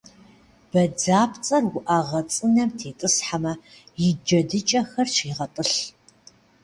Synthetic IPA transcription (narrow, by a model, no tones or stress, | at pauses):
b̥ɐd͡zaːpʰt͡sʼɐrwʊʔaʁɐt͡sʼɨnɐmtʰeːtʼɨsħamɐ | jɪd͡ʒɐdɨt͡ʃʼɐxɐrɕiːʁɐtʼɨɬ